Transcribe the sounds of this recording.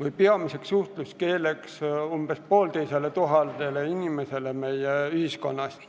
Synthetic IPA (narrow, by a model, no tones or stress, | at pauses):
ʋɯjpeɑmise̞ksuht̪luske̞ːlekssumb̥espoːlt̪ejselet̪uɦɑld̪eleinʲimese̞lemejeyhisko̞̰nːɑst̪